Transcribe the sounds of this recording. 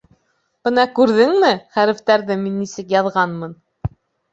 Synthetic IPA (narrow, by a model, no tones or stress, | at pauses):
b̥ɤnɑkʉɾðɘŋmɘχæɾɘ̆ft̪æɾðɘminːisɘkjɑðʁɑnmɤn